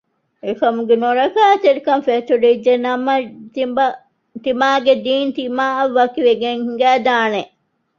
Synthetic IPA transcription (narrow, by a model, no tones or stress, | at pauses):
ekɐmuɡenoɾɐkaːt̪eɾikɐnfet̪uɖiid͡ʒd͡ʒenɐmɐt̪imbɐ | t̪imaːɡed̪iːnt̪imaːɐʋːɐkiʋeɡeŋhiŋɡæːd̪aːne